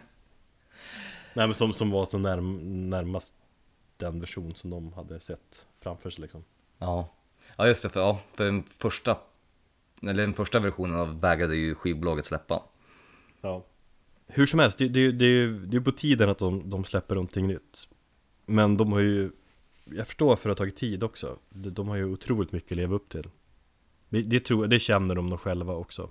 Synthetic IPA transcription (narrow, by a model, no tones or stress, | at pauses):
nɛːmɛnsɔmsɔmvaalsɔnæɾnæɾmast̪ | d̪̥ɛnvæʂuːnsɔmd̪ɔmhad̪ːəsɛt̪ːfɾamfœːʂɛjlɪksɔm | ʔɑː | ɑːjɵst̪ɛfɑːfœɖɛnfœʂʈa | ɛləɖɛnfœʂʈavæɾɧuːnənavvɛːɡɾad̪əjɵɧiːvbʊlɑːɡət̪slɛpːa̰ | ɑː | hɵʂɔmhɛlst̪d̪ɛd̪ɛjd̪ɛjɵd̪ɛjɵpɔt̪ʰiːd̪ənat̪̚d̪ɔmd̪ɔmslɛpːəɳɔnt̪ʰːɪŋːnʏt̪ː | mɛnd̪ɔmhaɾjə | jɑɡfœ̥ʂʈoːɾfœɾat̪ʰːɑːɡɪt̪ʰːiːd̪ɔksɔ̰d̪ɛd̪ɔmhaɾjəʊt̪ʰɾuːlɪt̪mʏkːəleːvaɵpːt̪ʰɪl | d̪ɛd̪ɛt̪ʰɾuːjad̪ɛɕɛnːəɖɔmd̪ɔɧɛlvaɔksɔ̰